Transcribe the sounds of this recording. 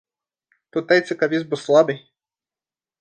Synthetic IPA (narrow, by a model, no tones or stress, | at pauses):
t̪ut̪ːajt̪sʲɨkavʲizbɨslˠabɨj